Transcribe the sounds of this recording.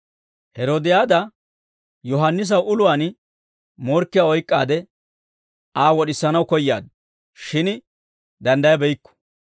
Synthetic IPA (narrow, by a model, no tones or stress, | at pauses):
hɛɾoːd̪ɪjaːd̪ɐ | jɔɦɐnːɪs̬ɐwʊlʊwaːn | mɔɾkːɪjaːɔjkʼːa̰ːd̪ɛ | aːwɔɗɪsːɐnɐwkɔjːa̰ːd̪ | ʃɪn | d̪ɐnd̪ɐjɐbɛjkːɔ̥